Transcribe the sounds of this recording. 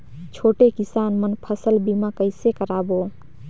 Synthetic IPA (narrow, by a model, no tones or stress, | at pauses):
t͡ʃʰoːʈekisaːnmənpʰəsəlbimakəɪsekəɾabo